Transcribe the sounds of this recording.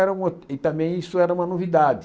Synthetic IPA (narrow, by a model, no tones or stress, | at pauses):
ɛɾɐũmɐɪt̪ɐ̃mbẽj̃isʊɛɾɐũmɐnovid̪ad̪ɪ